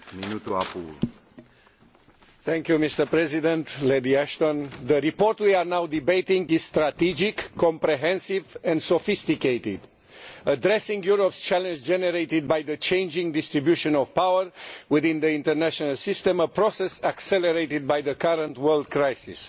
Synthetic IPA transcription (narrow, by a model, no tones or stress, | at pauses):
minut̪ua̰pu | θɛ̃ŋkjumist̪əpɾɛzid̪ɛ̃nt̪led̪iæʃt̪ɔ̃nðəɾipɔɾt̪wiaɹnawd̪ibejt̪ĩŋɡiz̥st̪ɾat̪id͡ʒɪkʰːɔ̃mpɾeɦɛ̃nsivɛ̃nd̪sofist̪ikejt̪ɪd̪ | əd̪ɾɛsĩŋɡjuɾopst͡ʃælɛ̃nd͡ʒd͡ʒɛnɛɾejt̪id̪̚bajðət͡ʃẽɪ̃nd͡ʒĩŋd̪ɪst̪ɾibjuʃə̃nɔv̥pawəɹwiðĩnd̪əĩnt̪əɾnæʃɔnəlsɪst̪ɛ̃məpɾosɛsaksɛləɾeɪt̪ɪd̪̚bajðəkaɾə̃nt̪wəld̪̚kɾajsis